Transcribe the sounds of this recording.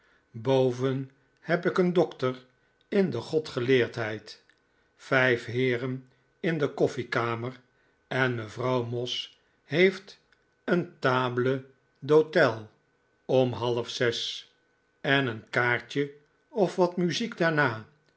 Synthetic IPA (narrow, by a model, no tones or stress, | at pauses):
bowvən | hɛpɪkəndɔktər | ɪndəχɔtχəlɪːɹtɦɛjt | fɛjfɦɪːrən | ɪndəkɔfikaːmər | ɛnməvrɑwmɔs | hejft | əntaːblə | dotɛlˠ | ɔmɦɑlˠəfsɛs | ɛnənkaːɹt͡ʃə | ɔfʋɑtmyziɡdaːɹnaː